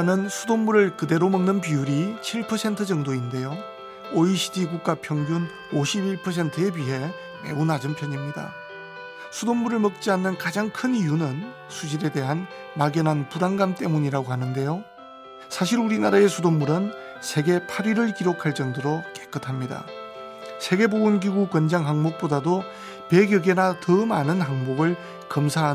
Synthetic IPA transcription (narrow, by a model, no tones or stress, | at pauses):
nɯnsʰudommuɾɯɭkɯde̞ɾomʌŋnɯnp̬iuɾit͡ɕʰiɭpʰʌsʰe̞ntʰɯd͡ʑʌŋdoinde̞jo | oiɕʰidikuk̚k͈apʰjʌŋɡjun | oɕʰibiɭpʰʌsʰe̞ntʰɯebiɦe̞ | me̞̰unad͡ʑɯmpʰjʌɲimɲida̰ | sʰudommuɾɯɭmʌk̚t͡ɕ͈ianːɯnkad͡ʑaŋkʰɯnijunɯn | sʰud͡ʑiɾe̞de̞ɦan | maɡjʌnɦanpuɾaŋɡamt͈e̞muɲiɾaɡoɦanɯnde̞jo | sʰaɕʰiɾuɾinaɾae̞sʰudommuɾɯn | sʰe̞ɡe̞pʰaɾiɾɯɭkiɾokʰaɭt͡ɕ͈ʌŋdɯɾok͈e̞̥k͈ɯtʰamɲida̰ | sʰe̞ɡe̞boɡunɡiɡukwʌnd͡ʑaŋɦaŋmok̚p͈odado | pe̞ɡjʌɡe̞natʌmanɯnɦaŋboɡɯɭ | kʌmsʰaɦa